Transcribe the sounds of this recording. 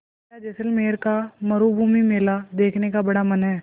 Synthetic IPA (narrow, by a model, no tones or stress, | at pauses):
ad͡ʒɛːsəlmeːɾkamɐɾubʱuːmimeːlad̪eːkʰnekabɐɽamɐnɦɛː